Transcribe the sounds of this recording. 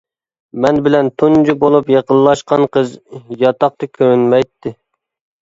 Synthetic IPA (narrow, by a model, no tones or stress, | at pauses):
mɛnbɪlɛnt̪ʰund͡ʒubolˠupjeqəlˠlːˠɑʃqɑnqəzjɑt̪ɑq̚t̪ɨkʲʰønmɛjt̪ʰːɪ